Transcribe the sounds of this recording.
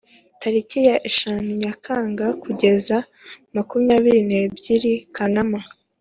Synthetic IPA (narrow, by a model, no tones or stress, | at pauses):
taɾicijaʔeʃanuɲakʰaːŋɡakuɟe̞za | makumɲaːβiɾine̞bɟiɾikʰanama